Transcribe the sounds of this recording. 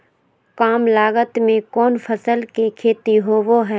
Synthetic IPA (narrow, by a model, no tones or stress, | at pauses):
kaːmlaːɡət̪mẽkɔːnfʰɐsəlkekʰeːt̪iɦoʋoɦɛː